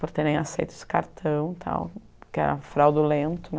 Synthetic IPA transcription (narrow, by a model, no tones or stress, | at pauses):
poɾt̪eɾẽj̃asejt̪ʊ̥sɪ̥kaɾt̪ʰɐ̃w̃t̪ʰa̰w | kɛ̰ɾɐ̰fɾawd̪ʊlẽnt̪ʊn